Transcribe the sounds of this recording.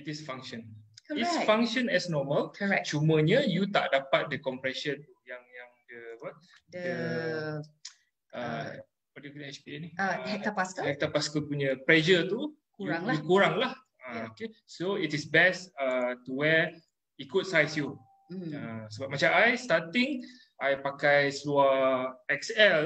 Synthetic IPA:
itisfãŋkʃə̃nisfãŋkʃə̃nɛsnɔməlt͡ʃumə̃ɲə̃jut̪a̰ʔdapat̪̚dəkɔmpɾɛsənt̪ujaŋjaŋdəbat̚ | dəə | ə | padikuɛt͡ʃbiɛniɛk̚əpaskəɛk̚t̪əpaskəpuɲə̃pɾɛd͡ʒət̪u | kɾaŋlukuɾaŋlah | aokesoitisbɛsətuwɛ | ikʊt̚sajsju | əsəbap̚mat͡ʃaajstat̪iŋ | ʔajpakajsluaɛksɛl

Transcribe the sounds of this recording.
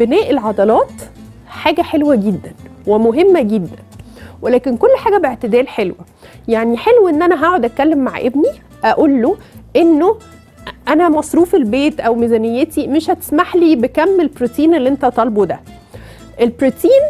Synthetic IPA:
benæːʔelʕɑd̪ɑlɑːt̪ | ħaːɡæħelwæɡed̪ːænwemoɦemːæɡed̪ːæn | welæːkenkolːħaːɡæbeʕt̪ed̪æːlħelwæ | jaʕniħelwʔenːʔænæɦaʕod̪ʔæt̪̚kːælːemːaʕʔebni | ʔæʔulːoʔenːo | ʔænæmɑsˤɾuːfelbeːt̪ʔæwmizænejːet̪imeʃhæt̪e̥smaħliːbekæmːelbɾut̪iːnelːiʔent̪æt̪ˤɑlbod̪æ̰ | ʔelbɾut̪iːn

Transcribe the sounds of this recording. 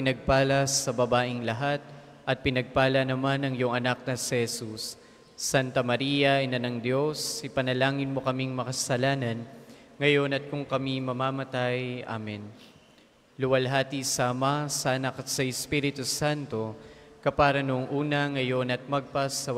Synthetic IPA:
ɪnɐɡ̚paːlɐsɐbɐbaːʔɪŋlɐɦat̪̚ | ʔɐt̪̚pɪnɐɡ̚paːlɐnɐmanɐŋjʊŋɐnak̚nɐsɛhɛsusː | ant̪ɐmɐɾijɐʔɛnanɐŋd̪jo̞sɪpɐnɐlaːŋɪnmo̞kɐmiŋmɐkɐsɐlaːnɐn | ŋɐjo̞nɐt̪̚kʊŋkɐmimɐmaːmɐt̪ajʔa̰ːmɛn | lʊwɐlɦaːt̪isaʔɐmasɐʔɐnakɐt̪̚sɐɪspiɾɪt̪usant̪o̞kɐpaːɾɐnʊʔoŋʔuːnɐŋɐjo̞nɐt̪̚mɐɡ̚pasːɐw

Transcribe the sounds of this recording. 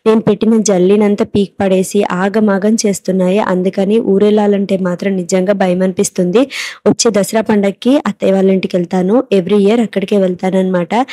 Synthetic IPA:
ne̞ːnupe̞ʈːinɐd͡ʒɐlːiːnɐnt̪ɐpiːk̚pɐɽe̞ːsiʔaːɡɐmaːɡɐmt͡ʃe̞ːst̪unːaːjiʔɐ̰nd̪ukɐniːʔuːɾɛlːaːlɐɳʈe̞ːmaːt̪ɾɐmnid͡ʒɐŋɡaːbʱɐjɐmɐnipist̪und̪iot͡ʃːeːd̪ɐsɾaːpɐɳɖɐkːiɐt̪ːɛʋaːlɐɳʈikɛɭt̪aːnue̞ʋɾiiɐɾɐkːɐɽikeːʋɛɭt̪aːnɐnɐmaːʈɐ

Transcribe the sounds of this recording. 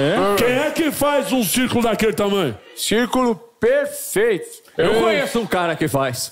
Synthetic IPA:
ɛkẽj̃ɛkɪfajzũsiɾkulʊd̪ɐkelt̪ɐmɐ̃j̃ | siɾkulʊpeɾfejt̪ʊ̥ | ewkoɲesʊũkaɾɐkɪfajs

